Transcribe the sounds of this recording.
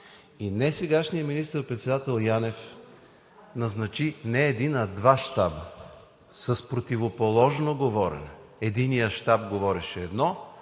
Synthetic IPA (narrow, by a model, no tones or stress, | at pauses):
inɛsɛɡaʃnijəminist̪əɾpɾɛt̪sɛd̪at̪ɛlˠjanɛf | nɐznɐt͡ʃinɛːd̪inɐd̪vaʃt̪abə | sɐspɾot̪ivopolˠɔʒnoɡovɔɾɛ̰nɛ | ɛd̪inijəʃt̪ab̚ɡovɔɾɛʃɛɛd̪nɔ